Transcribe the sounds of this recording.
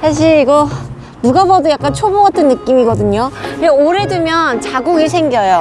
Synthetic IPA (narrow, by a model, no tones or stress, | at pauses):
sʰaɕ̬ʰiɾiɡʌ | nuɡabʌdojak͈̚ant͡ɕʰoboat͈ʰɯnːɯk͈imiɡʌdɯɲoeoɾe̞dɯmjʌnt͡ɕaɡuɡesʰe̞ŋɡjʌjo